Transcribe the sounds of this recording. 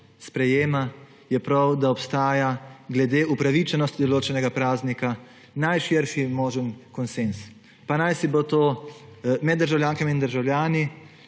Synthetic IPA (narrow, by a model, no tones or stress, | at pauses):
spɾɛjeːma | jɛpɾawd̪aɔpst̪aːjaɡlɛd̪eːʔupɾaʋit͡ʃɛnɔst̪d̪ɔloːt͡ʃɛnɛɡapɾaːznika | najʃɪɾʃimoːʒənkɔnsens | panajsibot̪oː | mɛd̪ːəɾʒawljaːŋkamiːnd̪əɾʒawlʲjaːni